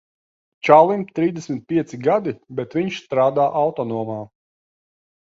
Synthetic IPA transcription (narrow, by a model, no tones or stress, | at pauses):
t͡ʃalˠimpt̪ɾiːzd̪eɛsmit̪̚pʲiɛt̪siɡad̪ibɛt̪viɲʃst̪ɾaːd̪aːʔawt̪ɔnuɔmaː